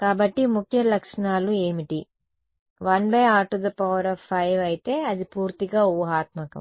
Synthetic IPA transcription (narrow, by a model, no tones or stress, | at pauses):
kaːbɐʈːimukʰjɐlɐkʂɐɳaːlue̞ːmiʈi | ʋɐnbɐjaːʈud̪ɐpɐʋɐɾɐːfʰːɐjʋɐjit̪e̞ːɐd̪ipuːɾt̪iɡaːuɐɦaːt̪mɐkɐ̰m